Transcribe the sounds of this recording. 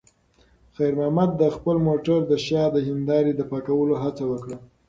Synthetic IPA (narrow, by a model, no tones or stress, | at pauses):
xajɾmɑhmad̪ːəxpəlmoʈaɾd̪əʃɑd̪əɦɪnd̪ɑɾid̪əpɑkawəloɦat͡sawəkɽa